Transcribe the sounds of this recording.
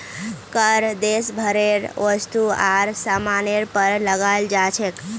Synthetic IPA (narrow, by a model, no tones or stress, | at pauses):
kəɾd̪esbʱəɾeɾʋəst̪uaɾsamaneɾpəɾləɡald͡ʒat͡ʃʰek